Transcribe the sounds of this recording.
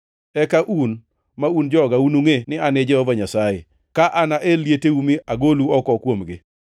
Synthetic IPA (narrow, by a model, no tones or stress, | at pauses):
ɛkaʔun | maund͡ʒɔɡaunuŋenɪanɪd͡ʒɛhɔvaɲasajḛ | kaʔanaʔeljeteumiaɡoluɔkɔkwomɡɪ̰